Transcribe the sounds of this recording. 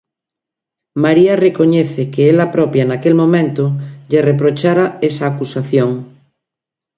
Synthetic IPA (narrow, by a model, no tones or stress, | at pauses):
maɾiarekoɲeθekeelapɾɔpjanakelmõmẽnt̪oʎerep̬ɾot͡ʃaɾaesaːkusaθjoŋ